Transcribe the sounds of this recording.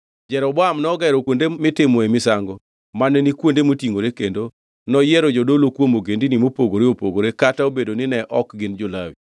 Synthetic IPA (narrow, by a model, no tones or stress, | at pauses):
d͡ʒɛɾɔbwamnɔɡɛɾɔkwondemɪtɪmɔemɪsaŋɡɔ | manɛnikwondemotiŋoɾekendo | nɔjɛɾɔd͡ʒodolokwomoɡendinimopoɡoɾeopoɡoɾekataobedonɪnɛʔɔkɡɪnd͡ʒolawi